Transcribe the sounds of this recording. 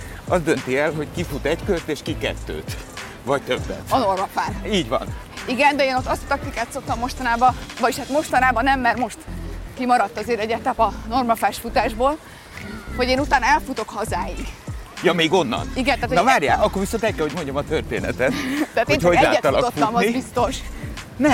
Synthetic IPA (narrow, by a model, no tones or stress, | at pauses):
ɒzd̪ønt̪iɛlɦo̞ckifut̪ɛckørt̪eːʃkikɛ̰t̪ːø̰ːt̪ | vɒc̚t̪øbːɛ̰t̪ɒno̞rmɒfaːniːɟvɒ̰n | iɡɛnd̪ɛeːno̞t̪ːɒst̪ɒ̥t̪ɒk̚t̪ikaːt̪so̞k̚t̪ɒmːo̞ʃt̪ɒnaːbɒvɒɟiʃhaːt̪mo̞ʃt̪ɒnaːbɒnɛmːɛrmoʃt̪kimɒɾɒt̪ːɒzeːɾɛɟɛt̪ɛpɒno̞rmɒfaːʃfut̪aːʒboːl | ho̞ɟeːnut̪aːnɒɛlfut̪o̞khɒzaːjiɡjɒmeːɡo̞nːɒ̰niɡɛnt̪aːt̪onɒvaːrja̰ːɒkːorviso̞nt̪ɛckːɛlhomo̞ɲɟomɒt̪ørt̪ḛːnɛ̰t̪ɛt̪taːt̪eːnhoɛza̰ːɛt̪ɒlɒotktuːɒmɒnibist̪o̞ʃ | nɛ